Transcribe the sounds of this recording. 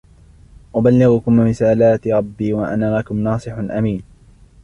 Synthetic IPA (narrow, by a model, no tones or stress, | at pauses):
ʔʊbalːɪɣʊkʊmɾɪsaːlaːt̪ɪɾˤɑbːiːwaʔa̰naːlakʊmnɑːsˤɨħʊnʔamiːn